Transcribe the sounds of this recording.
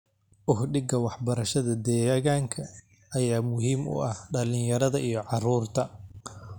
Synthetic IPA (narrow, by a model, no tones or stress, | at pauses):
ʔʊhɖɪɡɐwɑħbɐɾɐʃɐðɐd̪ɛːɣaːŋkʰɐ | ʔɐjaːmʊɦiːmʊ̰ʔɐhɖɐlɪjɐɾɐðɐʔijɞʕɑruːrt̪ʰɐ